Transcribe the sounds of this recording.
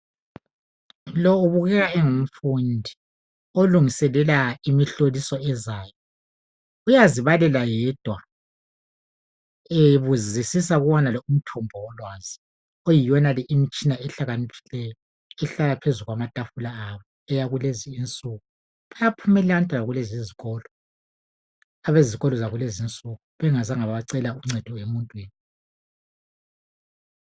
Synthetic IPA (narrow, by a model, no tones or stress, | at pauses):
lɔuβuɣɛɣaɛŋum̩fundʱi | oluŋisɛlɛlaimiɬolisɔɛzaːjɔ | ujaziβalɛlajɛd̥ʱwa | eβuzisisaɣuβɔnalɔum̩tʰɔmbʱɔwɔlwaːzi | ojijɔnalɛʔimit͡ʃʼinaɛɬaɣanipʰilɛjɔ | ɛɬalapʰezuɣwamatʼafulaaβɔ | ɛjaɣuleziːnt͡sʼuɣu | βajapʰumɛlɛantʼalaɣuleziziɣɔːlɔ | aβeziɣɔlɔzaɣulezint͡sʼuɣuβɛŋazaŋaβaǀɛlauŋ͡ǀɛd̥ʱɔemuntʼwiːni